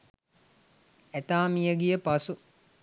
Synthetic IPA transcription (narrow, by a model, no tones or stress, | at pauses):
æt̪aːmijəɡijəpasu